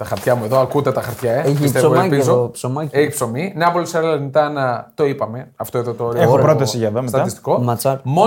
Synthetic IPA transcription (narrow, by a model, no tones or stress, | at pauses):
t̪ɐxɐɾt̪çɐmue̞ðoɐkut̪et̪ɐxɐɾt̪çɐeeçit̪esooelɐpizoopsomɐceçipso̞mineɐpolisɐɾelɐnit̪ɐnɐt̪o̞ipɐme̞ɐft̪oe̞ðo̞t̪ooɾeeopɾot̪ɐsiʝɐeðomesɐɐist̪i̥komɐt͡sɐkmo